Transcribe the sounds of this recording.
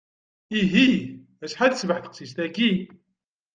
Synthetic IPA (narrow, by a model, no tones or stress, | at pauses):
iɦi | æsħad̪svəħθə̥qsist̪æɡi